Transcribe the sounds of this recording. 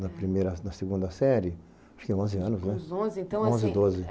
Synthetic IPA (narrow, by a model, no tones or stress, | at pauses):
nɐpɾimejɾɐnɐseɡũnd̪ɐsɛɾɪ | aʃkẽõzɪɐ̃nʊznɛõzɪẽt̪ɐ̃w̃õzɪd̪ozɪ